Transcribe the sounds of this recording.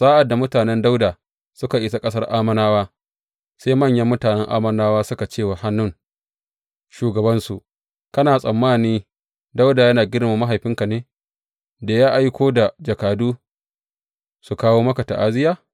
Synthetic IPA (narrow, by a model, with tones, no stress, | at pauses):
sʼaː˦ʔa˨dːa˨mʊ˦taː˨nɛ˦nda˦wdaː˨ | sʊ˦ka˨ʔɪ˦˨sa˦kʼɐ˦sɐ˦rʔaː˦mɐ˦naː˦waː˦ | seː˦jmɐ˦˨ɲjɐ˦mːʊ˦taː˨nɛ˦ŋʔa̰ː˦mɐ˦naː˦waː˦sʊ˦ka˨t͡ʃeː˦˨wa˨ha˦nːʊ˦ŋ | ʃuː˨ɡɐ˨bɐ˦nsu˨ʔ | kɐ˦naː˨sʼɐ˨mːaː˦˨niː˦ | da˦wda˨jɐ˦naː˨ɡʲɪ˦ɽma˨ma˦ɦa˨jɸɪ˦ŋka˨neː˦ | da˨jaː˦ʔa˦jkʷoː˦da˨d͡ʒɐ˨kaː˨duː˦ | su˨kaː˦woː˦mɐ˦ka˨ta̰˨ʔaː˦zɪ˦jaː˦˨